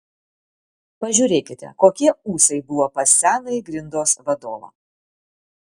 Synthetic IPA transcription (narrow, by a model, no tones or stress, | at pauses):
pɐʒʲʊːɾʲeːkʲɪt̪ʲɛ̰koːkʲiɛuːsʲɐɪbʊʋoːpɐsʲæːnɐɪɡɾʲɪnd̪oːsʋɐd̪oːʋɐ̰ː